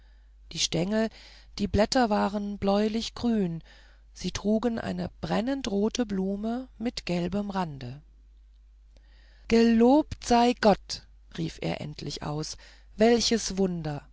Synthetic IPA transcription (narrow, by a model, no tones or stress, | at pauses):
d̥iːʃtɛŋl̩ | d̥iːblɛtɐvaːʁənblɔʏlɪçɡ̥ʁyːn | z̥iːtʁ̥uːɡənʔa̰ɪnəb̥ʁɛnəntʁoːtəbluːməmɪtɡ̥ɛlbəmʁandə | ɡ̥əloːptz̥aɪɡɔt | ʁiːfʔḛːɐʔɛ̰ntʰlɪçʔa̰ʊs | vɛlçəsvʊndɐ